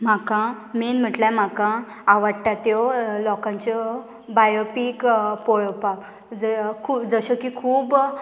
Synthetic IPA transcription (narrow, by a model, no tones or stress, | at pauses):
makã | menm̤əʈlam̤akã | aʋaɽʈat̪jɔlɔkãɲt͡ɕɔ | bajopiːkpɔɭpak | d͡zəkʰud͡zəɕəkikʰuːb